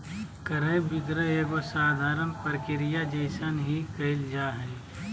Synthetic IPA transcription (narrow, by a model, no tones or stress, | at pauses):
kɐɾəbɪɡɾəeːɡosaːd̪ʱaːɾənpəɾkɪɾɪjad͡ʒɐɪsanɦikɐɪld͡ʒaːɦɛː